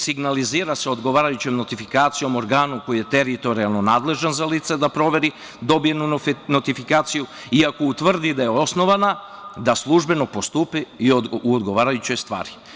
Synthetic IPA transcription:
siɡnaliziːɾase̞od̪ɡo̞ʋaːɾajut͡ɕemno̞t̪ifikaːt̪sijo̞mo̞ɾɡaːnuko̞jije̞t̪e̞ɾit̪o̞ɾialˠno̞naːd̪le̞ʒanzaliːt̪se̞d̪apɾo̞ʋe̞ɾi | d̪o̞bije̞nuno̞t̪ifikaːt̪siju | iako̞ut̪ʋr̩d̪id̪ajeo̞sno̞ʋana | d̪aslˠuʒbe̞no̞po̞st̪uːpiːouod̪ɡo̞ʋaːɾajut͡ɕo̞jst̪ʋa̰ːɾi

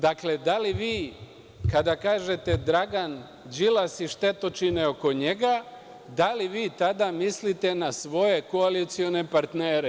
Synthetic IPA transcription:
d̪akle̞d̪aliʋiː | kad̪akaːʒe̞t̪e̞d̪ɾaɡan | d͡ʒilasiʃt̪e̞t̪ot͡ʃineo̞ko̞ɲe̞ɡa | d̪aliʋiːt̪ad̪amislit̪e̞nasʋo̞je̞koalit̪sio̞ne̞paɾt̪neːɾe

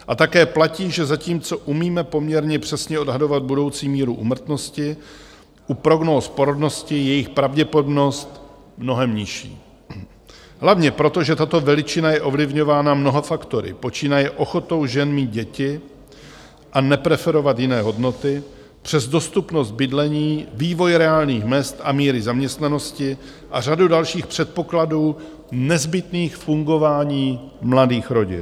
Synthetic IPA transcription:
ʔat̪akɛːplaciːʒɛzaciːmt͡so̞ʔumiːmɛpo̞mɲɛɾɲɛpr̝̥ɛsɲɛo̞dɦado̞vad̪̚budo̞wt͡siːmiːɾuʔṵːmɾ̩t̪no̞scɪ | ʔupɾo̞ɡnoːspoɾodno̞scɪjɛjɪxpɾavɟɛpodobno̞st̪ | mno̞ɦɛmɲɪʃḭː | ɦlavɲɛpɾo̞t̪o̞ʒɛt̪at̪o̞vɛlɪt͡ʃɪnajɛʔo̞vlɪvɲo̞vaːnamno̞ɦofakt̪o̞ɾɪ̰po̞t͡ʃiːnajɛʔo̞xo̞t̪o̞wʒɛnmiːd̪̚ɟɛcɪ | ʔanɛpɾɛfɛɾo̞vat̪jɪnɛːɦo̞dno̞t̪ɪ | pr̝̥ɛzdo̞st̪upno̞st̪̚bɪdlɛɲiːviːvo̞jɾɛaːlniːxmɛst̪ʔamiːɾɪzamɲɛst̪nano̞scɪ | ʔar̝adudalʃiːxpr̝̥ɛt̪̚po̞kladuː | nɛzbɪt̪niːxfuŋɡo̞vaːɲiː | mladiːxɾo̞ɟɪ̰n

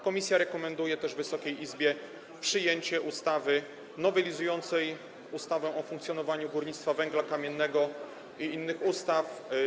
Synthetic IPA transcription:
kɔmʲisʲjaɾɛkɔmɛnd̪ujɛt̪ɛʐvɘsɔkʲejizbʲjɛ | pʂɘjeɲt͡ɕɛʔust̪avɘ | nɔvɛlʲizujɔnt̪sɛj | ust̪avɛ̃ʔɔfuŋk̚t̪ʲjɔnɔvaɲuɡuɾɲit̪st̪favɛŋɡlakamʲjɛnːɛɡɔ | iinːɘxust̪af

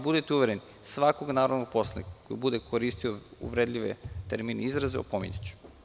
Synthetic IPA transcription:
bud̪et̪euʋeɾeni | sʋakoɡnaːɾoʋnopo̞slanḭkakːojibud̪ekʰoɾist̪ioṵʋɾed̪ʎʲiʋḛt̪eɾmiːneizɾazeo̰pomḭɲet͡ɕu̥

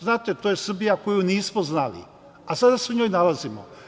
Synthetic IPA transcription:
znaːt̪et̪ojesr̩bijako̞juniːsmoznalḭ | asad̪aseoɲo̞ːjnalazimo̰

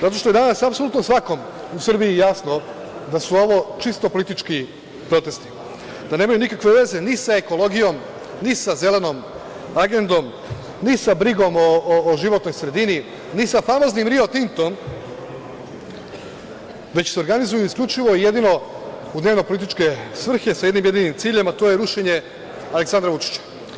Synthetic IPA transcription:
zat̪o̞ʃt̪oed̪anasapso̞lut̪nosʋako̞m | usɨr̩biijaːsno̞ | d̪asuo̞ʋo̞t͡ʃist̪o̞polit̪it͡ʃki | pɾo̞t̪e̞st̪i̥ | d̪anemajunikakʋeʋe̞zenisaeko̞lˠo̞ɡijo̞m | nisaze̞le̞no̞m | aɡe̞nd̪o̞m | nisabɾiɡo̞moːʒiʋo̞t̪nojsɾe̞d̪ini | nisafamoznimɾiot̪int̪o̞m | ʋe̞t͡ɕseoɾɡanizujuisklʎʲut͡ʃiʋo̞ije̞d̪ino̞ | ud̪neʋnopolit̪it͡ʃkesʋr̩xe̞sajed̪nimje̞d̪inimt̪siːʎemat̪o̞jeɾuʃeɲe̞ | ale̞ksand̪ɾaʋut͡ʃi̥t͡ɕḁ

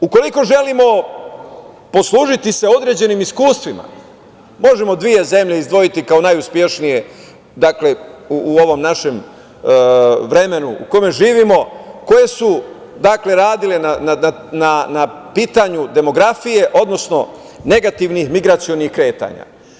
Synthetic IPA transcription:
uko̞liko̞ʒe̞limo̞ | po̞slˠuːʒit̪ise̞o̞d̪ɾe̞ːd͡ʑe̞nimiskuːst̪ʋima̰ | mo̞ʒemo̞d̪ʋije̞ze̞mʎeizd̪ʋo̞jit̪ikao̞najuspje̞ʃnije̞ | d̪akle̞uːo̞ʋo̞mnaʃe̞m | ʋɾe̞me̞nuṵko̞me̞ʒiːʋimo̞ko̞je̞su | d̪akle̞ɾaːd̪ile̞nanaa | nana | piːt̪aɲud̪e̞mo̞ɡɾafije̞ʔo̞d̪no̞sno̞ | ne̞ɡat̪iʋnixmiɡɾat̪sio̞nixkɾe̞ːt̪a̰ːɲa̰

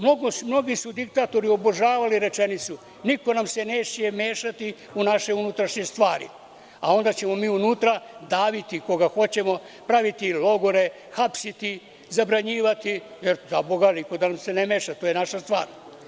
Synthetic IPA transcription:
mno̞ɡomno̞ɡisud̪ik̚t̪at̪o̞ɾio̞boʒaːʋaliɾe̞t͡ʃenit̪su | niko̞namse̞neʃije̞meːʃat̪i | unaʃe̞unut̪ɾaʃɲest̪ʋaːɾḭ | a̰o̞nd̪at͡ɕe̞mo̞miːunuːt̪ɾad̪aːʋit̪iko̞ɡaxo̞t͡ɕe̞mo̞ | pɾaʋit̪ilo̞ɡo̞ɾe̞ | xapsit̪i | zabɾaɲiːʋat̪ijeɾzaboɡaniko̞d̪anamse̞nemeːʃat̪o̞ːjenaʃast̪ʋa̰ːɾ

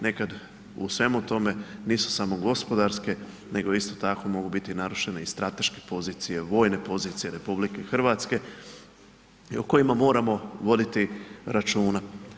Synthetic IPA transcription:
ne̞kad̪ | ṵsʋe̞mut̪o̞me̞niːsu̥samo̞ɡo̞spo̞d̪aɾske̞ | ne̞ɡo̞ist̪o̞t̪ako̞mo̞ɡubit̪inaɾuʃe̞neist̪ɾat̪e̞ʃke̥po̞ziːt̪sije̞ʋo̞ːjne̞po̞ziːt̪sijeɾe̞publike̞xr̩ʋaːt̪ske̞ | ioko̞jimamo̞ːɾamo̞ʋo̞d̪it̪iɾat͡ʃuːna

